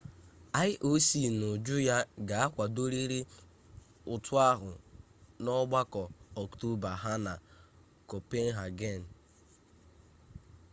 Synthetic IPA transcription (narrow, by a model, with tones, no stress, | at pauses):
a˦ɪ˦ʔo˦si˨no˨d͡ʒʊ˦ja˦ɡa˨a˦kʷa˨do˦ɾi˦ɾi˦ | ʊ˨tʊ˦a˦ɦʊ̰˨ | nɔ˦ɡ͡ba˦kɔ˨ɔ˨kto˦ba˨ɦa˦na˨ | kɔ˨pe˦n̩˦ɦa˨ɡe˦˨n̩˨